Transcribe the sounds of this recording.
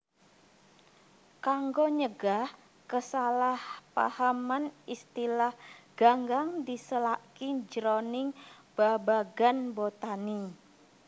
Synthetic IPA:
kaŋɡoɲəɡah | kəsalahpa̰hamanist̪ilahɡ̥aŋɡaŋdisəlakid͡ʒɾɔnɪŋb̥abaɡanbot̪ani

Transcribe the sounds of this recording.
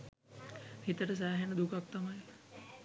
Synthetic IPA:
hit̪əʈəs̬aːɦenəd̪ukak̚t̪amajela

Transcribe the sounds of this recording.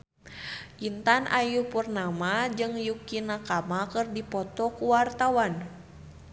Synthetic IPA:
ʔint̪anʔajuhpurnamad͡ʒɨŋjukinakamakɨrdipɔt̪ɔkuwart̪awan

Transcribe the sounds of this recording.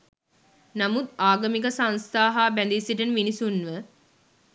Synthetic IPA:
namut̪̚aːɡɐmik̬əsanst̪aːɦaːbænd̪isiʈənminisunʋə

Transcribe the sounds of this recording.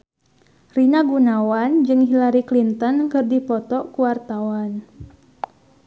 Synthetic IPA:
rinaɡunawand͡ʒɨŋɦilaɾiklint̪ɔnkɨrdipɔt̪ɔkuwart̪awan

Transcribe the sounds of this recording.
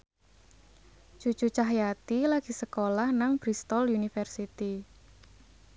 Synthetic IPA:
d͡ʒ̥ṳ̥t͡ʃṳt͡ʃaɦjat̪ilaɡ̥i̤səkolahnaŋb̥ɾist̪ɔlunifərsit̪i

